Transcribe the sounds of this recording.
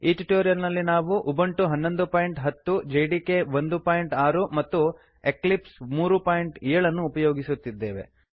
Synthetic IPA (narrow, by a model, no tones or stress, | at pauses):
iːʈiʈoːɾijɐɾnɐlːinaːʋuʔubɐɳʈuɦɐnːo̞nd̪upaːjiɳʈɦɐt̪ːud͡ʒejɖikeʋond̪upaːjiɳʈaːɾumɐt̪ːu | eklipsmuːɾupaːjiɳʈɛɾɐɭɐnːuːpɐjoːɡisut̪ːid̪ːe̞ːʋe̞̰